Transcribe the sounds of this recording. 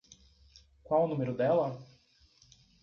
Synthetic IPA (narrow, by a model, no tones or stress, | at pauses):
kwawʊnũmeɾʊd̪ɛlɐ